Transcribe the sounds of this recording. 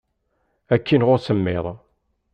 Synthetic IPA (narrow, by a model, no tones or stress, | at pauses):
ækʰːinʁʊɾsəmːɪ̰ðˤ